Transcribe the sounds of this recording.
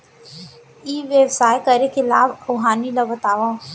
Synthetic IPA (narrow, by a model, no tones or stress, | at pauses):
iːʋjəwsaːjkəɾekelaːbɾoːɦaːnilɐbət̪aːʋã